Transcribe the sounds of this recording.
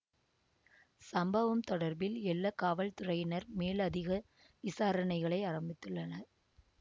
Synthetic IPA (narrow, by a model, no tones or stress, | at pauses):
sɐmbɐʋɐmt̪ɔɽɐɾbɪlɛlːɐkaːʋɐlt̪ʊrɐjɪnɐɾmeːlɐðɪɣɐ | ʋɪsaːɾɐnɐɪɣɐɭɐɪɐrɐmbɪt̪ːɯɭːɐnɐɾ